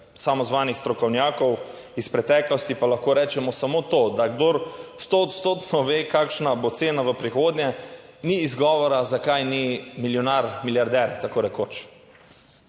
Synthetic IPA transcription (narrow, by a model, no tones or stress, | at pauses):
samɔzʋaːnixst̪ɾɔkɔwnjaːkɔw | ispɾɛt̪ɛːklɔst̪ipalaxkoːɾɛːt͡ʃɛmɔsamot̪od̪aɡd̪oɾst̪oːt̪st̪oːt̪nɔʋeːkakʃnabot̪seːnaʋəpɾixoːd̪njɛniːzɡɔːʋɔɾazakajnimiljɔnaɾmiljaɾd̪ɛɾt̪akoːɾɛkoːt͡ʃ